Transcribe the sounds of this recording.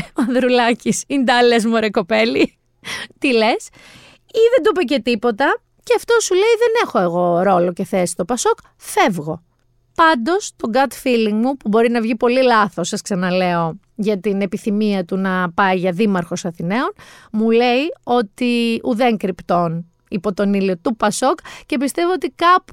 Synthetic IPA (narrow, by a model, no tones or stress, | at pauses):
oɐnðɾulɐcisind̪ɐlezmoɾeko̞pe̞li | t̪ile̞s | iðend̪upece̞t̪ipo̞t̪ɐ | ceɐft̪o̞sule̞iðe̞ne̞xo̞e̞ɣo̞ɾo̞lo̞ce̞θesi̥st̪o̞pɐso̞k | fe̞vɣo̞ | pɐnd̪o̞st̪o̞ɡɐt̪filiŋɡmupubo̞ɾinɐvʝipo̞lilɐθo̞sɐsksɐnɐle̞o̞ | ʝɐt̪ine̞piθimiɐt̪unɐpɐiʝɐðimɐɾxo̞sɐθine̞o̞nmule̞io̞t̪iuðe̞ŋkɾipt̪o̞n | ipo̞t̪o̞niliot̪upɐso̞kce̞pist̪e̞voot̪ikɐp